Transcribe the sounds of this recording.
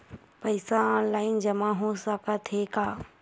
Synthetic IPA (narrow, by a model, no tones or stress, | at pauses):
pəɪsaɔːnlaːɪnd͡ʒɐmãɦosakat̪ʰeːkaː